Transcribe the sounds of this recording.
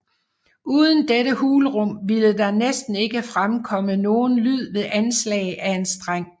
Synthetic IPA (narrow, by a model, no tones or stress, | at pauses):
ʔuːð̞ˠən̩d̥eɾəhuːlʁɔ̽m̰ʋiləd̥ɑ̈nesd̥n̩e̝ɡ̥əfʁamkʰɒ̽məno̝ːn̩lyð̞̰ˠʋe̝ðˠʔænslɛ̰ːɪʔæe̝nsd̥ʁaŋ̰